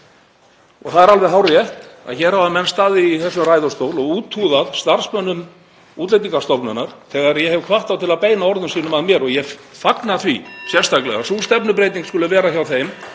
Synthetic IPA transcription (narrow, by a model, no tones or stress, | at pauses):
ɔ̰ɣθaðɛɾalvɛɦawrrjɛht̪a̰ðçɛːɾhavamɛnst̪aːðɪiθɛsːʏmrajðʏst̪oːwlɔɣuːt̪ʰuːðaðst̪ar̥smœnːʏm | uːt̪lejt̪̬iŋkḁst̪ɔpnʏnːaɾ̥θɛːɣaɾjɛhɛvkʰvaht̪awt̪ʰɪlaðpeːjnaɔɾðʏnsiːnʏmaðmjɛɾɔɣjɛfaknaθvisjɛr̥st̪ʰaklɛ̰ɣasuːlst̪ɛpnʏpɾejt̪iŋkskʏlʏvɛːɾaçawθejm